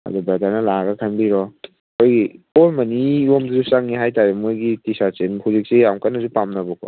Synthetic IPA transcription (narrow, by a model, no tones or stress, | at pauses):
ɐ̰dubadaɾnɐlaɡɐkʰanbiɾɔ | kʰojɡiolmɐniomduzusaŋniɦajtaɾemojɡitisasimhuzik̚sijamkanːɐzupamnɐbɔkʰɔ̰